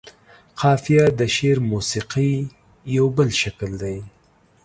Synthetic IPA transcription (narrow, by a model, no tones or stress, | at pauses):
qʰɑfijad̪əʃeɾmusiqi | jawbəlʃakld̪aj